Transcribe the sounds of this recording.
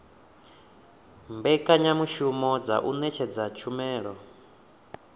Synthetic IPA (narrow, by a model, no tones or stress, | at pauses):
mbɛkʼaɲamuʃumɔd͡za̰ʔunɛt͡ʃʰɛd͡zat͡ʃʰumɛːɺɔ